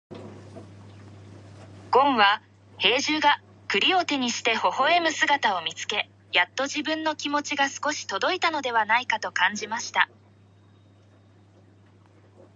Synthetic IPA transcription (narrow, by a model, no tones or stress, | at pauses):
ɡ̥õ̞ɰ̃βa | he̞ːʑɨːɡa | kɯ̟ɾʲio̞t̪e̞ɲ̟iɕi̥t̪e̞ho̞ho̞e̞mɯ̟sɨɡat̪ao̞mʲit͡sɨ̥ke̞ | jat̪ːo̞ʑibɯ̟̃nːo̞kʲimo̞t͡ɕiɡasɨ̥ko̞ɕi̥t̪o̞d̪o̞it̪ano̞d̪e̞β̞anaikat̪o̞kãɲ̟d͡ʑimaɕi̥t̪a̰